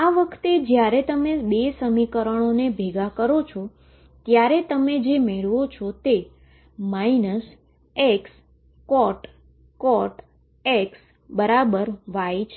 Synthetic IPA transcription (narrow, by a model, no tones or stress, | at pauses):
aʋəkʰt̪ed͡ʒjaɾet̪əmeɓesəmikəɾəɳ̃onebʱeɡakəɾot͡ʃʰɔ | t̪jaɾet̪əmed͡ʒemeɭʋot͡ʃʰɔt̪e | mainəs | eks | kɔʈ | kɔʈ | eks | bəɾabəɾʋajt͡ʃʰe